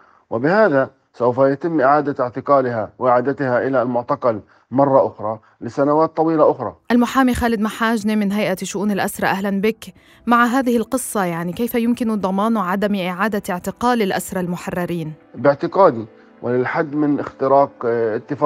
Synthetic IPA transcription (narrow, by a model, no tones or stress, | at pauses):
wɪbɪhaːða | sawfajat̪ɪmːʔɪʕaːd̪aɪʕt̪ɪqɑːlɪhawʔɪʕaːd̪at̪ɪhaʔɪlalmʊʕt̪ɑqɑl | mɑrˤːɑʔʊxɾˤɑ | lɪsanawaːt̪ˤːɑwiːlaʔʊxɾˤɑ̰ʔalmʊħaːmixaːlɪd̪maħaːʒnimɪnɦajʔaʃʊʔuːnɪlʔasɾˤɑʔaɦlanbɪk | maʕaɦaːðɪhɪlqɨsˤːɑjaʕnikejfajʊmkɪnd̪ˤɑmɑːnʕad̪amʔɪʕaːd̪aɪʕt̪ɪqɑːlɪlʔasɾˤɑlmʊħɑrˤːɑɾiːnbɪʕt̪ɪqɑːd̪i | wʔɪlɪlħad̪ːmɪnʔɪxt̪ɪɾɑːqɪt̪ːɪf